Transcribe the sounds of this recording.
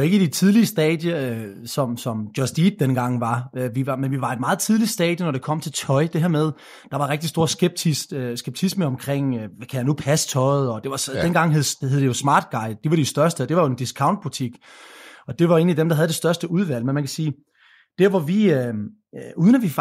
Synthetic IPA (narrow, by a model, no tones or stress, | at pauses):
oe̝ɡ̥əd̥it͡sʰið̞ˠliəsd̥ɛːd̥jə | sɒ̽msɒ̽m̥jɒsd̥iːd̥ːenɡ̥ɑ̈ŋ̰ʋɑ̈øʋiʋɑ̈menʋiʋɑ̈e̝d̥mɑ̈ːð̩ˠt͡sʰið̞ˠlid̥sd̥ɛ̰ːd̥jənɒɾ̥e̝kʰɒ̽m̰t͡sʰe̝lt͡sʰɒ̽ɪd̥e̝ɦeɐmeð̞ˠ | d̥ɑ̈ʋɑ̈ʁeɡ̥̚d̥isd̥o̝ɐsɡ̥eb̥̚t͡sʰissɡ̥eb̥̚t͡sʰisməɒ̽mkʰʁeŋ̰ʋækʰæjænupʰæst͡sʰɒ̽ɪð̞̩ˠɒ̽d̥e̝ʋɑ̈sd̥enɡ̥ɑ̈ŋ̰ɦeð̩ˠheðˠd̥ejo̝smɑ̈ːd̥̚ɡ̥ɑ̈ɪd̥d̥e̝ʋɑɾ̥isd̥ɶɐsd̥əd̥e̝ʋɑjo̝end̥iskʰɑ̈ʊnd̥̚b̥ut͡sʰiɡ̥ | ɒ̽d̥e̝ʋɑ̈e̝ːnlid̥emd̥ɑ̈ɦæð̞ˠd̥e̝sd̥ɶɐsd̥əuð̞ˠʋæl̰menmænkʰæ̥siː | d̥eɐʋɒʋiø | uːðˠənæʋif